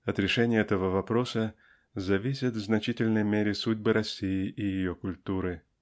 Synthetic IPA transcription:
ɐt̪ɾʲɪʂɛnʲɪjəɛt̪əvəvɐpɾo̞sə | zɐvʲisʲɪt̪vznɐt͡ɕitʲɪlʲnəjmʲeɾʲɪsudʲbɨɾɐsʲːijɪʔɪjɪjokʊlʲt̪uɾɨ

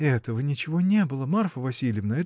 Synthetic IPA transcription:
ɛt̪əvənʲɪt͡ɕɪvonʲebɨlˠəmarfəvɐsʲilʲɪjɪvnəɛ

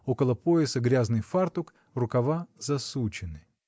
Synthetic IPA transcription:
okəlˠəpojɪsəɡɾʲaznɨjfart̪ʊk | rʊkɐvazɐsut͡ɕɪnɨ

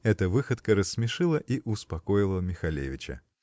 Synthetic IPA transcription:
ɛt̪əvɨxət̪kəɾəsʲːmʲɪʂɨlˠəʔiʔʊspɐkojɪlˠəmʲɪxɐlʲḛvʲɪt͡ɕə̰

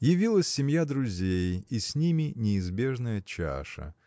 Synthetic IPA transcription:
jɪvʲilˠəsʲːɪmʲjad̪ɾʊzʲejisʲnʲimʲɪnʲɪːzbʲe̞ʐnəjət͡ɕa̰ʂə̰

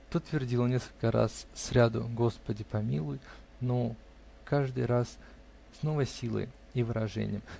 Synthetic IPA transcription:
t̪ot̪vʲɪrdʲilənʲe̞skəlʲkəɾa̰ssɾʲad̪ʊ̰ɡo̞spədʲɪpɐmʲilˠʊj | no | kaʐd̪ɨjɾasː | no̞vəjsʲilˠə̰j | ivɨɾɐʐɛ̰nʲɪjəm

